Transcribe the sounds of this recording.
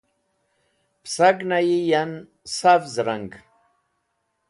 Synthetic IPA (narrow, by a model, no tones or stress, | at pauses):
psaɡnajijan | safzɾaŋɡ